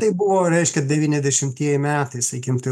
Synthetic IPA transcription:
t̪ɐɪbʊʋoːɾʲɛɪʃʲkʲɛd̪ʲɛʋʲiːnʲɛzʲd̪ʲɛʃʲɪmʲt̪ʲiɛjɛmʲæːt̪ɐɪsɐɪkʲɪmt̪ɪ

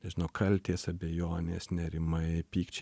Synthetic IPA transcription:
nʲɛʒʲɪnɐʊkʰɐlʲt̪ʲeːsɐbʲejoːnʲeːsnʲɛɾʲɪmɐɪpʲiːkt͡ʃʲ

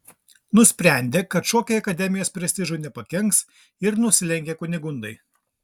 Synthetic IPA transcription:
nʊsʲpʲɾʲɛˑnʲd̪ʲeːkɐt̪ʃoːkʲoːjɐkɐd̪ʲɛmʲɪjoːspʲɾʲɛst̪ʲɪʒʊːnʲɛpɐkʲɛŋks | ɪɾnʊsʲɪlʲɛŋʲkʲeːkʊnʲɪɡʊnd̪ɐɪ

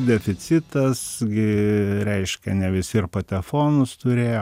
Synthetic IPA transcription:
d̪ʲɛfʲɪt͡s̪ʲɪt̪ɐsɡʲɪɾʲɛɪʃʲkʲɛnʲɛʋʲɪsʲɪrpɐt̪ʲɛfoːnʊst̪ʊɾʲeːjo

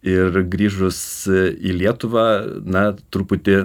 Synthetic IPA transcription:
ɪrɡɾʲiːʒʊsiːlʲiɛt̪ʊʋɑːnɐt̪ɾupʊt̪ʲɪ

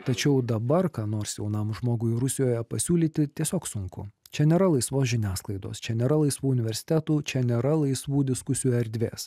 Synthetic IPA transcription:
t̪ɐt͡ʃʲɛʊd̪ɐbɐɾkɑːnoːɾsjɛʊnɐmʒmoːɡʊɪɾʊsʲɪjoːjɛpɐsʲuːlʲiːt̪ʲɪt̪ʲiɛsʲoːksʊŋkʊ̰t͡ʃʲɛnʲeːɾɐlˠɐɪsʋoːsʒʲɪnʲæːsklˠɐɪd̪o̰ːst͡ʃʲɛnʲeːɾɐlˠɐɪsʋuːʊnʲɪʋʲɛɾʲsʲɪ̥t̪ʲɛt̪uːt͡ʃʲɛnʲeːɾɐlˠɐɪsʋuːd̪ʲɪskʊsʲɪjuːɛɾʲd̪ʲʋʲḛːs

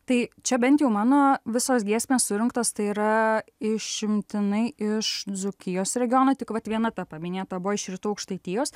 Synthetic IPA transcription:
t̪ɐɪt͡ʃʲɛbʲɛnt̪ʲjɛʊmɑːnoːʋʲɪsoːsɡʲiɛsʲmʲeːssʊɾʲɪŋkt̪oːst̪ɐɪiːɾɐɪʃʃʲɪmʲt̪ʲɪnɐɪʔɪʃd̪d͡z̪ʊkʲɪjoːsɾʲɛɡʲɪjoːnoːt̪ʲɪkʋɐt̪ʋʲiɛnɐt̪ɐpɐmʲɪnʲeːt̪ɐbʊʋɔɪʃɾʲɪt̪uːɐʊkʃt̪ɐɪt̪ʲiːjoːs

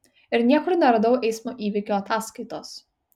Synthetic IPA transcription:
ɪɾnʲiɛkʊɾnʲɛɾɐd̪ɐʊʔɛɪsmuʔiːʋʲikʲuɐt̪ɑːskɐɪt̪oːs

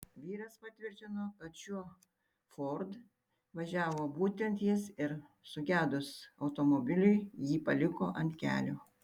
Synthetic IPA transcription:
ʋʲiːɾɐspɐt̪ʲʋʲɪɾʲt̪ʲɪnoːkɐt̪ʃʲuɔ | foɾd̪ | ʋɐʒʲæːʋoːbuːt̪ʲɛnʲt̪jɪsɪɾsʊɡʲæːd̪ʊsɐʊt̪oːmobʲɪlʲʊɪjiːpɐlʲɪko̰ːʔɐnt̪ʲkʲæ̰ːlʲoː

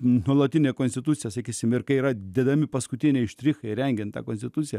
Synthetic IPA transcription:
nuɔlˠɐt̪ʲinʲeːkonsʲt̪ʲɪt̪usʲɪjɛsɐkʲiːsʲɪmɪɾkɐiɾɐd̪ʲɛd̪ɐmʲɪpɐskʊt̪ʲinʲɛɪʃʲt̪ʲɾʲixɐɪɾʲɛŋʲɡʲɛnt̪t̪ɑ̰koːnsʲt̪ʲɪt̪ut̪sʲɪjɛ

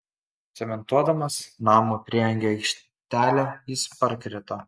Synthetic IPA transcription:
sʲɛmʲɛnt̪uɔd̪ɐmɐsnɑːmopʲɾʲɪɛŋʲɡʲeɐɪkʃʲ | t̪ʲæːlʲæiːspɐɾʲkɾʲɪt̪ɐ

